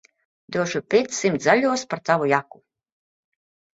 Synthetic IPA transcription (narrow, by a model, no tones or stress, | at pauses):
d̪uɔʒupʲit̪ssimt̪zalʲuɔspaɾt̪avujaku